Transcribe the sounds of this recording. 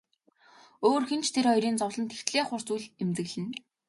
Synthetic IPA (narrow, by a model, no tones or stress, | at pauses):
oːrxent͡ɕʰt̪ʰeɾɔjɾiːnt͡sɔwɮɞ̆nt̪ʰe̥xt̪ɮeːχʊr̥t͡sujɮemt̪ɘ̆ɣɮɘ̆n